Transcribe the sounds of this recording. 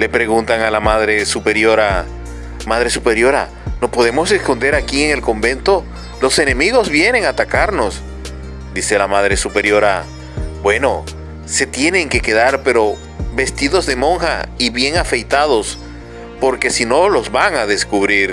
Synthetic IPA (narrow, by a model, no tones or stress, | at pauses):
le̞pɾe̞ɣunt̪aŋalamaðɾe̞supe̞ɾjo̞ɾa | maðɾe̞supe̞ɾjo̞ɾa̰ | no̞po̞ðe̞mo̞se̞sko̞nd̪e̞ɾakieŋe̞lko̞mbe̞nt̪o | lo̞se̞ne̞miɣo̞zβje̞ne̞ŋat̪akaɾno̞s | d̪ise̞lamað̞ɾe̞supe̞ɾjo̞ɾa | bwe̞no̞ | se̞t̪je̞ne̞ŋke̞ke̞ðaɾpe̞ɾo̞ | be̞st̪iðo̞zðe̞mo̞ŋxa̰iβje̞ŋafe̞jt̪að̞o̞s | po̞ɾke̞sino̞lo̞zβaŋaðe̞skuβɾiɾ